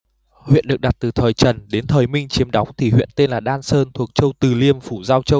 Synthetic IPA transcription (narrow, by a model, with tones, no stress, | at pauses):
hwḭ˧˨ənɗɨ˨˩ək̚ɗa˨˩t̚t̪ɨ˨˩t̪ʰəː˨˩jt͡ɕə˨˩nɗe˨˦nt̪ʰəː˨˩jmï˧ŋ̟t͡ɕi˨˦əmɗa˨˦wŋ͡mt̪ʰi˨˩ɦwḭ˧˨ənt̪e˧nlaː˨˩ɗaː˧nsəː˧nt̪ʰu˨˩ək̚t͡ɕə˧wt̪ɨ˨˩li˧əmfu˧˩zaː˧wt͡ɕə˧w